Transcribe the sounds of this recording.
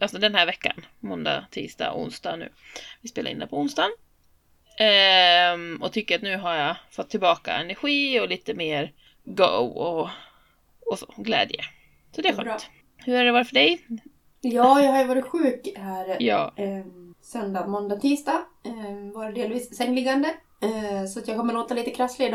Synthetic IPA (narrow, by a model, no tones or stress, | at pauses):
ʔalsɔd̪ɛnhæːɾvɛkːa̰nmɔnd̪a̰t̪ʰḭːst̪a̰ːɔ̰ʊ̰nst̪anʉ̟̰ːvɪspeːlaɾɪnɛ̰pʰɔʊnst̪an | ɔt̪ʰʏkːəɾat̪nʉ̟ːɦaɾjafɔt̪ʰːɪlbɑːka̰ɛnɛɾɧiːɔliːt̪əmeːɾ | ɡo̰ɔ | ɔsoːɡlɛ̰ːd̪jə̰ | sɔd̪ɛæɧœt̪ | hɵɾæɖɛvaɾfœɖɛj | jɑːjɑːhaɾjəvɑːɾɪt̪ɧʉ̟ːkhæːɾjɑ̰ː | sœnd̪ɑːmɔnd̪at̪ʰiːst̪ɑ | vɑːɾəd̪eːlviːsːɛŋːlɪɡːand̪ə | sɔat̪jɑːɡkʰɔmːəɾloːt̪aliːt̪əkʰɾaslɪd̪